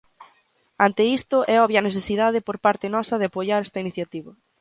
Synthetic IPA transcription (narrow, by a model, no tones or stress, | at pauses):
ant̪ɪist̪ʊʔɛɔβjaneθesiðað̞ɪpoɾpaɾt̪ɪnɔsɐðɪapoʎaɾɛst̪ɐiniθjat̪iβɐ